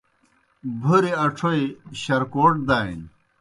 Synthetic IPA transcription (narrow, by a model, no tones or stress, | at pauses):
bʱuɾiɐʈ͡ʂʰoiɕɐɾkoːʈ̚d̪aːḭn